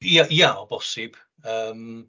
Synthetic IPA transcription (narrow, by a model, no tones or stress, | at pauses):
jajaɔbɔsɪb̥ | əːm